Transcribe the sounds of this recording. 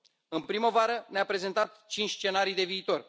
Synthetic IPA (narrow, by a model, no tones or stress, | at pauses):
ɨnpɾiməvaɾəneapɾe̞ze̞nt̪at̪t͡ʃint͡ʃʲst͡ʃe̞naɾijd̪e̞viːt̪o̞r